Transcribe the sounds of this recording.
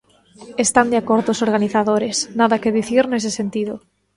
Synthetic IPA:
est̪and̪eakoɾðoːsoɾɣaniθaðoɾesnaðakeðiθiɾnes̬esent̪iðʊ

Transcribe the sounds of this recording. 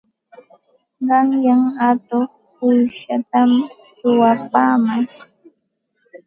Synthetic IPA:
ɢɑŋjaŋat̪oχ | pʊjʃat̪am | t̪ʊwapaːmaʃ

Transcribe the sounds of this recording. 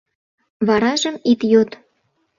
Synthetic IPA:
βɑɾɑʒə̆mit̪jot̪

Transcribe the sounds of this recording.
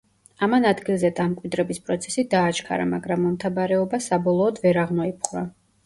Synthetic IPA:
amanad̪ɡilˠzɛd̪amkʼwid̪ɾɛbispʼɾɔt̪sʰɛ̥sid̪aːt͡ʃkʰa̰ɾa̰maɡɾamːɔmt̪ʰabaɾɛɔbasabɔlˠɔːd̪vɛɾaʁnɔipʰχɾa

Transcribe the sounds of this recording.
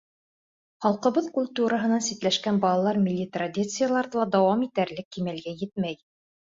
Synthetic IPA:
χɑlˠqɤ̆βɤðkulʲt̪uɾɤɦɤ̆nɑnsit̪læʃkænbɑlˠɑlˠɑɾmʲɪlʲːit̪rad̪ʲit̪sɨjalˠɑɾðɤlˠɑd̪ɑwɑmit̪æɾlɘkːimælɡæjɘt̪mæj

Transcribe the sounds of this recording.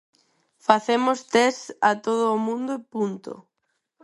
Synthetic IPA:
faθemost̪ɛsat̪oð̞oːmũnd̪ʊepunt̪o̰

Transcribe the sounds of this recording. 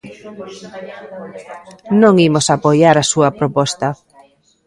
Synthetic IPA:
nõŋimosapojaɾasuɐpɾopɔst̪ɐ

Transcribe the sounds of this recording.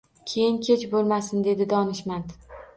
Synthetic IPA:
kʲʰejɪnkʲʰe̞t͡ʃbolˠmasɪnd̪e̞d̪ɪd̪ɒnɪʃmand̪

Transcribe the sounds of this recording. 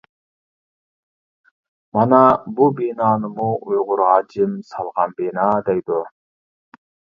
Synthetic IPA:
mɑnɑbubenɑːnɯmuujʁʊɾʁɑd͡ʒɯmsɑlˠʁɑnbenɑd̪ejd̪u

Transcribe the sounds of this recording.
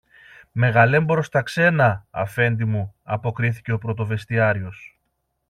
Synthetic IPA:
me̞ɣɐle̞mboɾo̞st̪ɐkse̞nɐɐ̰fe̞nd̪imuɐpo̞kɾiθi̥ce̞o̞pɾo̞t̪o̞ve̞st̪iɐɾio̞s

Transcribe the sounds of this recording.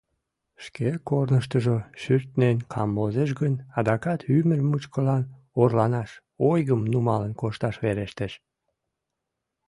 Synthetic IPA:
ʃkekornəʃt̪əʒoʃyrt̪nenkʰɑmbozeʃ̬ɡənɑd̪ɑkɑt̪ʰymərmut͡ɕkəlɑn | orlɑnɑʃ | ojɣəmnumɑlənkoʃt̪ɑʃβeɾeʃt̪eʃ

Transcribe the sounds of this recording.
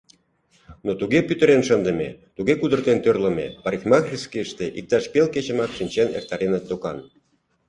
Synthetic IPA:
not̪uɣepyt̪ə̆ɾenʃənd̪ə̆met̪uɣekud̪ərt̪ent̪ørlə̆mḛpɑɾʲixmɑɣrʲiskiəʃt̪eʔik̚t̪ɑʃpelket͡ɕə̆mɑkʃinʲt͡ɕenḛr̚t̪ɑɾenet̪ːokɑn

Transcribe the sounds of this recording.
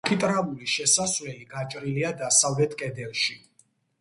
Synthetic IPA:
kʰit̪ʼɾavuliʃɛsasvlɛliɡat͡ʃʼɾiliad̪asavlɛt̪ʰkʼɛd̪ɛlˠʃi

